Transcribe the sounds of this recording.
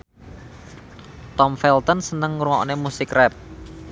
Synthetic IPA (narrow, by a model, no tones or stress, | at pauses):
t̪ɔmfɛlt̪ɔnsənəŋɾuŋɔ̰nemusɪkrɛp̚